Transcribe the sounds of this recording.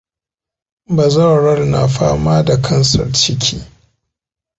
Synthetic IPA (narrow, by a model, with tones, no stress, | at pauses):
ba˨zɐ˦wɽɐ˦rna˨ɸaː˦maː˦da˨kʰɐ˦nsɐ̰˨rt͡ʃɪ˦kʲʰiː˦